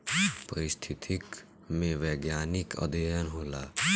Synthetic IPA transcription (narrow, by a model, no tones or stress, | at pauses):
pəɾɪst̪ʰit̪ʰik | mẽʋɛɡjaːnikʰə̰d̪ejənɦoːla